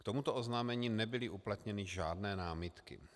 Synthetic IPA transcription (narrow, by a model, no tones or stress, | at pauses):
kt̪o̞mut̪oʔoznaːmɛɲiːnɛbɪlɪʔuplat̪ɲɛnɪʒaːdnɛːnaːmɪt̪kɪ̰